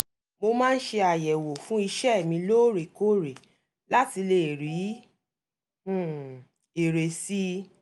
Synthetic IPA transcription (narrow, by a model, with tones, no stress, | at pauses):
mo˧mãː˦˧n̩˦ʃe˧a˨jɛ˨wo˨fũ˦i˧ʃɛ˦˨mĩ˧loː˦˨ɾe˨ko˦ɾe˨ | la˦ti˧le˧˨ɾi˨˦˨ | e˨ɾe˨si˦